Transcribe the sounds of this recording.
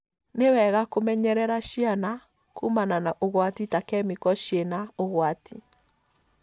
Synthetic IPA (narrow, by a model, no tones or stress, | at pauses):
newɛɣakomɛɲɛɾɛɾaʃiana | kumananaʔoɣwatitakɛmikɔʃjenaoɣwati